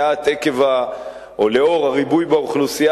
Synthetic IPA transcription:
at̪e̞ke̞va | oleo̞ʁaʁibujbaoχlusia

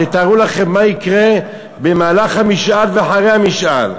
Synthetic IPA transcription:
et̪aʁulaχe̞mːaikʁe | bemaːlaχhamiʃʔalveaħaʁejhamiʃʔal

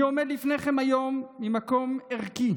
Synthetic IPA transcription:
omed̪lifne̞χemajo̞mːimako̞meʁki

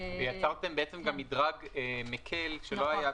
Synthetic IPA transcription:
vejat͡saʁt̪e̞mbeʔet͡se̞mɡamːidʁaɡemekʰe̞lʃelo̞aja

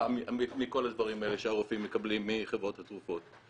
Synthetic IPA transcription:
amiimiko̞lad̪vaʁimaeleʃeaʁofimːekablimːiχevʁo̞t̪hat̪ʁufo̞t̪

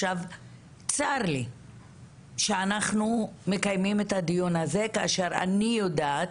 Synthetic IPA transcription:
ʃav | t͡saʁli | ʃeanaχnume̞kajmimethad̪ijonaze̞kaaʃeʁa̰nijodaːt

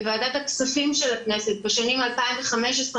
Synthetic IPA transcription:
vaːd̪at̪haksafimʃelaknese̞t̪̚beʃanimalpaimveχame̞ʃes

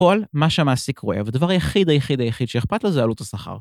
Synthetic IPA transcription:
olmaʃeamaːsikʰʁoʔevd̪avaʁjaχid̪ajaχid̪ajaχid̪ʃeeχpat̪lezealut̪asaχa̰ʁ

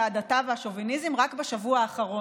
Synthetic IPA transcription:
adatavehaʃovinizemʁakbeʃavuaːχaʁo̞

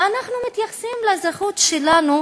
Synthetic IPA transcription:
anaχnumit̪jaχsimlazaχut̪ʃelanu

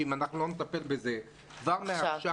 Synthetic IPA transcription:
imanaχnulonet̪ape̞lbeze | kvaʁmeaʃa

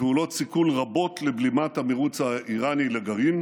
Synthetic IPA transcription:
eulo̞t̪sikulʁabo̞t̪leblimat̪hameʁut͡saʔiʁanileɡaʁim

